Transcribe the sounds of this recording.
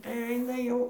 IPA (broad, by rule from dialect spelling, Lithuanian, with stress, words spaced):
tɐɪ ˈɐɪnɐ ˈjɛʊ